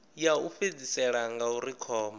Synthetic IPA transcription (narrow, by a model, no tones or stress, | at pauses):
jaufed͡zisɛɺaŋɡauɾikʰɔːma